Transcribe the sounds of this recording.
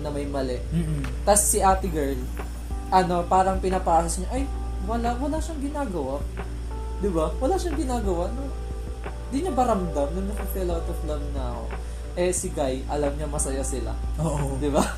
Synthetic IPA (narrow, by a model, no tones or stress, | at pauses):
nɐmɐjmɐlɛʔm̩ː | t̪ɐsːɪʔaːt̪ɪɡɛɹl | ʔɐno̞paːɾɐŋpɪnɐpaːsɐsɲaʔɐj | wɐlaʔwɐlaːʃɐŋɡɪnaːɡɐwaʔ | d̪ɪbawɐlaːʃɐŋɡɪnaːɡɐwaʔno | nd̪iɲobɐɾɐmd̪ɐmnɐŋnɐkɐfilawt̪oflɐmna | ʔɛsɪɡajʔɐlɐmɲɐmɐsɐjasɪla̰oːʔod̪ɪba